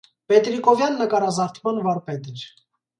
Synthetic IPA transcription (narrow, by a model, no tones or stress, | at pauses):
pɛt̪ɾikɔvjɑnːəkɑɾɑzɑɾt̪ʰmɑnvɑɾpɛd̪iɾ